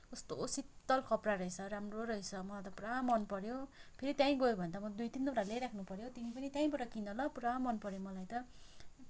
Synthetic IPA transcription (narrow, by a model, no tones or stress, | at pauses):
ʌst̪oːsit̪ːʌlkʌpraɾʌɦet͡sʰʌɾamroɾʌɦit͡sʰʌmʌlat̪ʌpuɾawmʌnpʌɾjopʰeɾit̪jãĩɡʌjobʱʌnd̪amʌd̪ujt̪inːʌʈaleɾakʰnupʌɾjot̪imipʌnit̪jãĩbʌʈʌkinʌlʌpuɾawãmʌnpʌɾjomʌlajt̪ʌ